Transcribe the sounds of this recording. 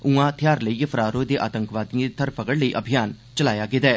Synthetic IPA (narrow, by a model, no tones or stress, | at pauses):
uãːt̪ʰjaːɾləiːpʰəɾaːɾoːd̪eːʔaːt̪əŋkʋaːd̪iãːd̪et̪ʰəɾpəkəɽləiːʔəbʱijaːn | t͡ʃəlaːjaːɡɪt̪ɛː